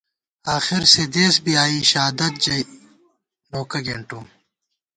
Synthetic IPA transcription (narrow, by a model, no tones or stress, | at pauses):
aːxɪɾsed̪eːsbiaːiɕaːd̪ɐt̪̚d͡ʑɐj | noːkɐɡeɳʈu